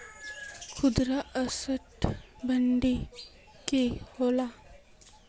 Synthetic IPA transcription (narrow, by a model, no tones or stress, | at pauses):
kʰud̪ɾaʔəsəʈbʱəɳɖi | kehola